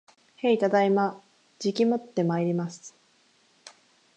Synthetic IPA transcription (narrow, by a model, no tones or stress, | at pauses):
he̞it̪ad̪aima | d͡ʑikʲimot̪ːe̞maiɾʲimasɨ̥